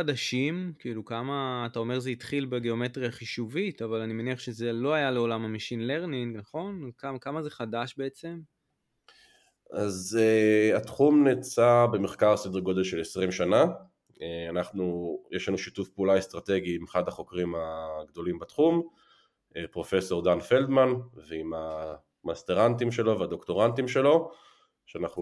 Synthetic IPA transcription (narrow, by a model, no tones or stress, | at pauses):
adaʃimkiilukamaːtao̞me̞ʁzeitχilbeɡe̞o̞me̞tʁiaχiʃuvitavalanimeniaχʃeze̞loajale̞o̞lamamiʃinle̞ʁniŋɡnaχo̞nkamkamaze̞χadaʃbe̞et͡se̞m | azeat̪χumnet͡sabe̞meχkaʁsed̪eʁɡod̪e̞lʃe̞lesʁimʃana | eanaχnujʔeʃlanuʃitufpeulaest̪ʁat̪e̞ɡiimeχad̪haχo̞kʁimaɡd̪o̞limbat̪χum | epʁo̞fe̞so̞ʁd̪anfe̞ld̪manveima | mast̪eʁantimʃe̞lo̞vead̪o̞kt̪o̞ʁantimʃe̞lo̞ | ʃeanaχnu